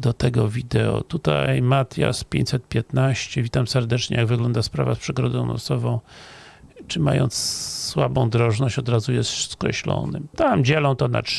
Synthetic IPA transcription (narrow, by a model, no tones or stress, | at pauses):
d̪ɔt̪ɛɡɔvʲid̪ɛɔ̰t̪ut̪a̰jmat̪ʲja̰spʲjḛ̃ɲt͡ɕt̪ʲsɛt̪̚pʲjɛt̪naɕt͡ɕɛvʲit̪amsɛɾd̪ɛt͡ʂɲɛ̰jaɡvɘɡlɔnd̪aspɾa̰vaspʂɛɡɾɔd̪ɔ̃w̃nɔ̰sɔvɔ̃w̃ | t͡ʂɘma̰jɔ̰nt̪sswabɔ̃w̃d̪ɾɔʐnɔɕt͡ɕɔd̪ɾazujɛst̪ʂskɾɛ̰ɕlɔ̰nɘt̪amd͡ʑɛlɔ̃w̃t̪ɔna̰t